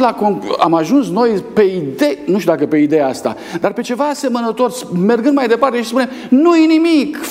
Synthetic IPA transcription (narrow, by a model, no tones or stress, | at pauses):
lakonamaʒunsno̞jpe̞id̪e̞nuʃt̪ʲud̪ak̬əpe̞id̪e̞jaast̪a̰ | d̪arpe̞t͡ʃe̞vaːse̞mənət̪o̞rsme̞rɡɨnd̪majd̪e̞part̪e̞ʃi̥spune̞m | nujenimik